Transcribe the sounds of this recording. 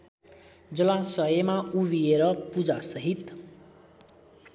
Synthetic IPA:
d͡zʌlasʌemauβieɾʌpud͡zasʌɦit̪

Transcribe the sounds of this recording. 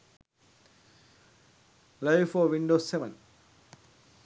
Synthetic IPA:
lɐjfoːʋiɳɖoːsːeʋɐ̃n

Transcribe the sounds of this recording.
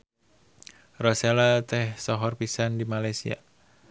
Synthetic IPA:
rɔselat̪ɛhsɔɦɔrpisandimalajsḭa̰

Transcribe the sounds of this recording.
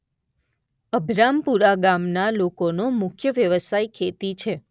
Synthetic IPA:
əbʱɾampuɾaɡamnalokonomʊkʰjəʋjəʋəsajkʰet̪it͡ʃʰe

